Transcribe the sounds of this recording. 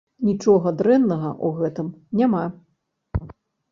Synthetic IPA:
nʲit͡ʂɔɣɐd̪ɾɛnːɐɣɐʔuɣɛt̪ɨmnʲama

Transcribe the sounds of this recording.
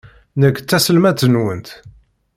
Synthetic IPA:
nəkːt͡sːæsəlmæt͡s̪ːənwənt̪

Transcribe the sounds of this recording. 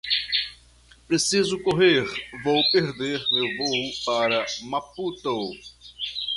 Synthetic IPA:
pɾesizʊkoɦeɾvowpeɾd̪eɾmewvowpaɾɐmaput̪o

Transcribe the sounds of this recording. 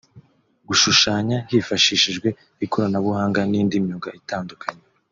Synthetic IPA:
ɡuʃuʃaːɲahifaʃiːʃiʒɡwe̞ | ikʰoɾanaβuhaːŋɡaniːndimjoɡaʔitaːndukʰaɲe

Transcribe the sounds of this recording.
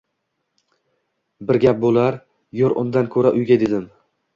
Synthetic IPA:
bɪɾɡʲap̚bolˠaɾ | joɾʔʊ̰nd̪ankʰɵɾaʔʊjɡʲad̪ed̪ɪm

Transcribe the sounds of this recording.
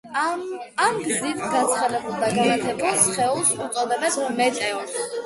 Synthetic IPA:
amɡzit̪ʰɡat̪sʰχad̪ɛbulˠd̪aɡanat̪ʰɛbasχɛulˠsut̪sʼɔd̪ɛbɛnmɛt̪ʼɛɔ

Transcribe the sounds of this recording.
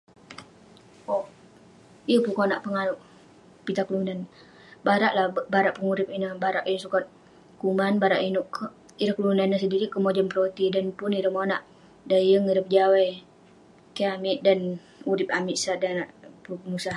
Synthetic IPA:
o | iəpukonaʔpəŋaɾʊʔ | pit̪aklunan | baɾaʔlahbaɾaʔpəŋuɾɪp̚inəbaɾaʔinsukat̪̚ | kumanbaɾaʔinuʔk | iɾəhklunanːəsəndiɾikəmod͡ʒənpɾot̪idanpʊniɾəmonaʔ | dajəŋiɾəp̚d͡ʒawaj | kiamɪʔ̚dan | uɾɪp̚amiʔsadanaʔpukəmusah

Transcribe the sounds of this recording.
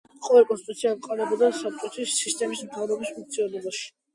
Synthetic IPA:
qʼɔvɛlkʼɔnst̪it̪ʼut̪sʰiaqʼɔɾɛbɔd̪asap̚t͡ʃʼɔt̪ʰwisːist̪ʼɛmismt̪ʰavɾɔbispʰuŋk̚t̪sʰiɔd̪ɔbaʃi̥

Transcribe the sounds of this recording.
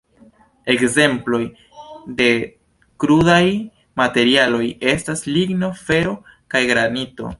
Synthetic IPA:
e̞kze̞mplo̞j | de̞ | kɾudaj | mate̞ɾialo̞je̞stasliɡno̞fe̞ɾo̞ | kajɡɾanito̞̰

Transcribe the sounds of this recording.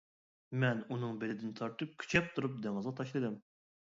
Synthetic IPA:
mɛnunɨŋbelɪd̪ɪnt̪ʰɑɾt̪ʰɨp̚kʲʰy̥t͡ʃʰɛp̚t̪ʰuɾup̚d̪eŋɨzʁɑt̪ʰɑʃlˠɨd̪ɨm

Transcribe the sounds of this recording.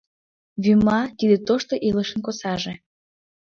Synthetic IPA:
βymɑt̪id̪et̪oʃt̪oʔiləʃə̆nkosɑʒe

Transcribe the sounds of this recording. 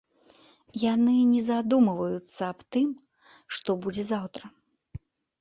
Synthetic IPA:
janɨnʲɛzad̪umɨvɐjut̪sːɐːpt̪ɨm | ʂt̪ɔbud͡zʲɛzawt̪ɾɐ

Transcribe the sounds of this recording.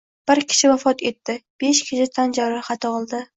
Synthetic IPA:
b̥ɪɾkʲʰɪ̥ʃɪvafɒt̪ʰe̞t̪ːɪb̥e̞ʃkʲʰɪʃɪt̪ʰand͡ʒaɾɪχɑt̪ʰɒɒlˠd̪ɪ

